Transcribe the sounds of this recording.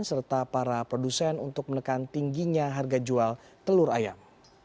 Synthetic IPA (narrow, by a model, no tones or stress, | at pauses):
nsərt̪apaɾapɾodusɛnunt̪ʊk̚mənəkant̪iŋɡiɲaɦarɡad͡ʒual | t̪əlʊɾa̰ja̰m